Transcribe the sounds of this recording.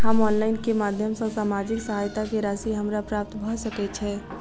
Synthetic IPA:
ɦəmɔnlaɪnkemad̪ʱjəmsə̃samad͡ʒiksəɦajt̪akeɾasiɦəmɾapɾap̚t̪bʱɔsəkɛt͡ʃʰɛ

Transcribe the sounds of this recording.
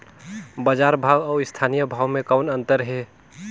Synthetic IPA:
bəd͡ʒaɾbʱawɔːɪst̪ʰanijəbʱawmẽkəʊnənt̪əɾɦe

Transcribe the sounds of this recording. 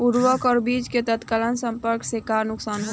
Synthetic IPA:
uɾʋəkɔːɾbiːt͡ʃket̪ət̪kaːlənsə̃mpəɾksekaːɾnʊksaːnɦ

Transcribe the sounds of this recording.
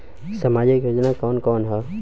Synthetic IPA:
sɐmaːd͡ʒikjod͡ʒnakɔːnkɔːnɦɛ

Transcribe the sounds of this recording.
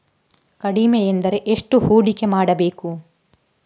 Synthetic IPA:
kɐɽimejend̪ɐɾe̞ʔeʂʈuhuːɽike̞maːɽɐbeːku

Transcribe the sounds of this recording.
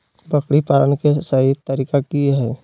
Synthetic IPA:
bəkɽipaːɾənkesaɦit̪əɾiːkakiɦɛː

